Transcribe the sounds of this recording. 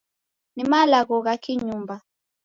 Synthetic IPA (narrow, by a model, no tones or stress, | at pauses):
nimalaɣɔɣakiɲumba